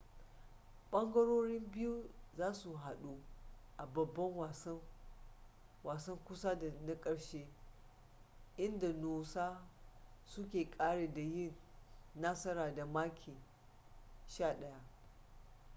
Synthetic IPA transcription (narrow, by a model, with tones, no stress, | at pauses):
ɓɐ˦ŋɡɐ˦ɽoː˦ɽɪ˦mbɪ˦ju˦zaː˦su˨ɦa˨ɗu˦ʔa˨bɐ˨bːɐ˦ŋwa˨s | waː˨sɐ˦ŋkʷʊ˦sa˦da˨na˦kʼɐ˨ɽʃeː˦ | ʔɪ˦nda˨noː˨saː˦ | sʊ˦kʲeː˨kʼaː˦ɽeː˨da˨jɪ˦˨nːa˦sɐ˦ɾaː˨da˨maː˦kʲʰiː˨ | ʃaː˦˨ɗɐ˦ja˦ʔ